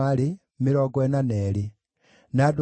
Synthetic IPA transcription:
ali | miɾoɡwenaneli | nadu

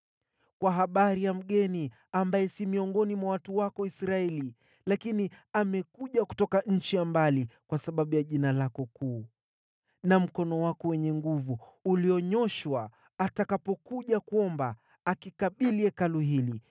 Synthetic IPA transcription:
kwaɦaɓaɾijam̩ɠɛni | ambajɛsimiɔŋɡɔnimwawatuwakɔisɾaɛli | lakiniamɛkuʄaku̥tɔkaɲ̩t͡ʃijambalikwasaɓaɓujaʄinalakɔkuː | nam̩kɔnɔwakɔwɛɲɛŋɡuvuːliɔɲɔʃwaː | takapɔkuʄakuɔmbaː | kikaɓiliɛkaluɦili

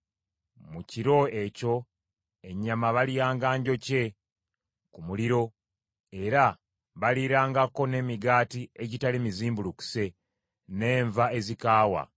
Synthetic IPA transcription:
muciɾo̞e̞co̞ | e̞ɲːamaβalijaːŋɡaːɲɟo̞ce̞ | kumuliɾo̞ | e̞ɾa | βaliɾaːŋɡako̞ne̞miɡaːtieɟitalimiziːmbuluku̥se̞ | ne̞ːɱvae̞zikaːwa̰

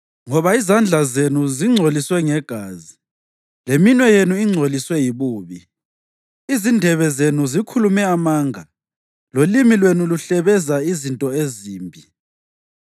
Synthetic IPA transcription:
ŋɔβaizand͡ɮʱazenuziŋ͡ǀʱoliswɛŋɛɡ̥ʱaːzi | leminwɛjenuiŋ͡ǀʱoliswɛjiβuːβi | izindʱɛβɛzenuzikʰulumɛamaːŋʱa | lolimilwenuluɬɛβɛzaizintʼɔeziːmbʱi

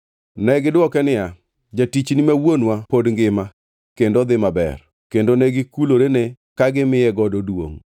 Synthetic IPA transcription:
nɛɡɪdwɔkɛnɪja | d͡ʒatit͡ʃnɪmawonwapodŋɡɪma | kendod̪ɪmabɛ̰r | kendonɛɡɪkuloɾene | kaɡɪmɪjɛɡɔdodwo̰ŋ

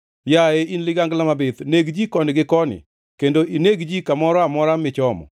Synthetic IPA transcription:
jaeinlɪɡaŋɡlamabet̪neɡd͡ʒikɔnɪɡɪkɔnɪ̰ | kendoʔineɡd͡ʒikamɔɾɔamɔɾamɪt͡ʃɔmɔ̰

